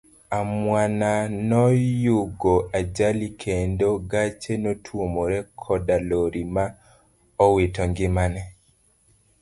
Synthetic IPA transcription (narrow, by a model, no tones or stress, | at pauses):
amwananɔjuɡoad͡ʒalikʰendoɡat͡ʃenotʰwomoɾɛkʰɔdaloɾima | ɔwetɔŋɡɪmanɛ